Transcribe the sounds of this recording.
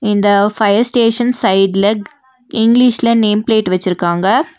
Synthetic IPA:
ɪnd̪ɐfɐjɐɾsʈeːʂɐnsɐɪɖlɐ | ɪŋɡlɪʃlɐneːmpleːʈʋɛt͡ʃːɪɾɯkːaːŋɡɐ

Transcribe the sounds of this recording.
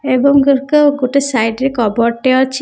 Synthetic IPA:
ebɔŋɡokɔɡoʈesajɖɾekɔbɔɾʈeɔt͡ʃʰi

